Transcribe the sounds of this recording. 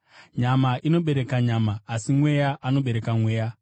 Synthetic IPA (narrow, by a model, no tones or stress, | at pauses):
ɲamaʔino̞ɓe̞ɾe̞kaɲamaːsimwe̞jaʔano̞ɓe̞ɾe̞kamwe̞ːja